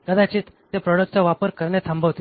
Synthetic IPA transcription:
kəd̪at͡ɕiːt̪ | t̪epɾɔɽək̚ʈt͡saʋapəɾkəɾɳjet̪ʰəmbʱəʋt̪i

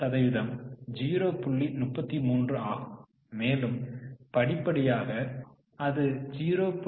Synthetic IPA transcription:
ɐðɐɪʋɪðɐmd͡ʒiːɾoːpʊɭːinʊpːɐt̪ːimuːndrɯaːɣɯmː | eːlɯmpɐɽɪpːɐɽɪjaːɣɐ | ɐðɯd͡ʒiːɾoːp

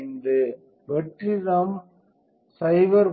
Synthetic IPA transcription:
nd̪ɯ | ʋɛʈrɪðɐm | sɐɪʋɐɾ

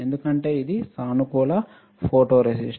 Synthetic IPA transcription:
end̪ukɐɳʈe̞ːid̪isaːnukuːlɐ | pʰoːʈoːɾesisʈ

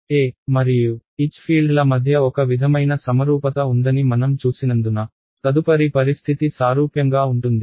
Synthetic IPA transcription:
eːmɐɾijuit͡ʃpʰiːɭɖlɐmɐd̪ʱjɐɔkɐʋid̪ʱɐmɐjnɐsɐmɐɾuːpɐt̪ɐund̪ɐnimɐnɐmt͡ʃuːsinɐnd̪unɐ | t̪ɐd̪upɐɾipɐɾist̪ʰit̪isaːɾuːpjɐŋɡaːuɳʈund̪i

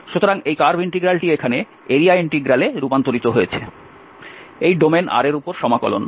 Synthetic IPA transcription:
ʃut̪oɾaŋejkaɾbiɳʈiɡɾalʈiekʰane | eɾiaiɳʈiɡɾaleɾupant̪oɾit̪oɦojet͡ɕʰḛ | ejɖomenʔa̰ɾeɾupoɾʃɔmakɔ̰lo̰n

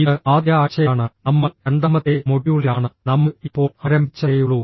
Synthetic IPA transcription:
iðɨaːd̪jaːɕɐjaːɳɨnɐmːɐeɳɖ̪ɐmːɐt̪ːemoɽijuɭiaːɳɨnɐmːɐipːo̞ːɭɐɾɐmbʱit͡ɕːɐjuɭuː

